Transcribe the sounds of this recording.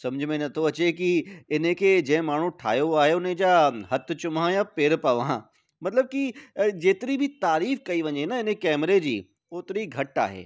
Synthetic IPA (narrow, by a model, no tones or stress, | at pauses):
sɐməd͡ʑʱmẽnɐt̪ʰoɐt͡ɕekiɪnẽkʰed͡ʑɐ̃ɦɪ̃maːɳ̤ũʈʰa̰ːjoaːɦeʊnẽd͡ʑaɦɐt̪ʰt͡ɕʊmãjapeːɾpaʋã̰ | mɐt̪ləb̚kid͡ʑeːt̪ɪɾibʱit̪aːɾiːfkɐiʋɐ̃ɲenɐɪnẽkɛːmɾed͡ʑḭː | oːt̪ɪɾiɡʱɐʈa̰ːɦḛː